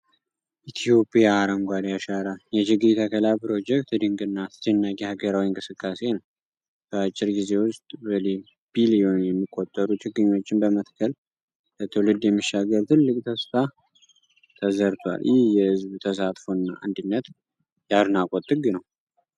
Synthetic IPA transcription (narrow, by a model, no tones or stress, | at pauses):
ʔit̪ʰijo̞pʼijaːɾəmɡʷad̪jaʃaɾajɛt͡ʃɪɡɨɾt̪ʰəkʰəlapɨɾo̞d͡ʒɛk̚t̪d̪ɨŋɡɨnːat̪ʰɨ̥t̪ʰenːakʼihaɡəɾawinkʼɨsɨkʼːase̞nəw | b̥əat͡ʃʼːɪɾɡize̞wʊst̪ʼbəli | bilijo̞njɛmːikʼːot̪ʼːəɾut͡ʃʰʼɪɡːɨɲːo̞t͡ʃːɪnbəmət̪kʰəl | bət̪ʰɨwlɨd̪jɛmːiʃːaɡəlt̪ʰɨlːɨkʼt̪ʰəsfa | t̪ʰəzəɾt̪ʰwa̰ljɛhjɛhɨzbt̪ʰəsat̪ʼfoɨnːaʔa̰nd̪ɨnːət̪ | jaɾnakʼot̪ʼːɨɡɨnəw